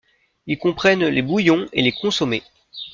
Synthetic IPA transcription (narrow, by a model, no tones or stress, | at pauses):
ilkɔ̃pχɛnlebujɔ̃ḛlekɔ̃sɔme